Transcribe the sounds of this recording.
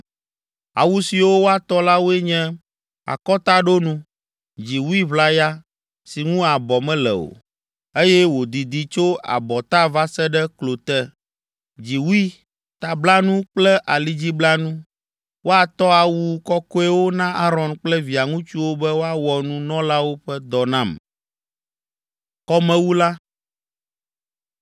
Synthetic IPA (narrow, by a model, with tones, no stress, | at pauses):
a̰˨wu˦si˨wo˦wo˦a˨t̪ɔ˦la˦wo˦ɛ˦ɲɛ̃˦ | a̰˨kɔ˦t̪a˦ɖo˦nũ˦ | d͡ʑi˨wu˦i˦βla˦ja˦ | si˨ŋũ˦a˨bɔ˨mɛ̃˦lɛ̰˨o̰˨ | e˦jɛ˦wo˨d̪i˨d̪i˨t͡ʃo˦a̰˨bɔ˨t̪a˦va˦sɛ˦ɖɛ˦klo˨t̪ɛ˦ | d͡ʑi˨wu˦i˦ | t̪a˨bla˦nũ˦k͡plɛ˦ʔa˨li˦d͡ʑi˦bla˦nũ˦ | wo˦a˨t̪ɔ˦a˨wu˦kɔ˦kɔ˦ɛ˦wo˦nã˦ʔa˦ɾɔ̃˨nk͡plɛ˦vi˨a˨ŋũ˦t͡ʃu˦wo˦bɛ˦wo˦a˦wɔ˨nũ˦nɔ̃˦la˦wo˦ɸɛ˦d̪ɔ˨nã˦˨m | kɔ˦mɛ̃˦wu˦la˦